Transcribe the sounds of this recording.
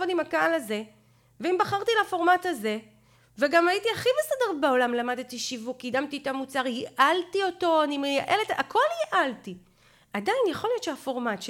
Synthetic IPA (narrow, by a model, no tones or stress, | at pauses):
odimakaalaze̞ | veimbaχaʁt̪ilafo̞ʁmathaze̞ | veɡamajitiaχibesedeʁbao̞lamlamad̪etiʃivukjidamtitamut͡saʁjiʔaltio̞to̞animejaʔe̞letakʰo̞ljiʔalti | ʔadainjaχo̞lijo̞t̪ʃehafo̞ʁmatʃ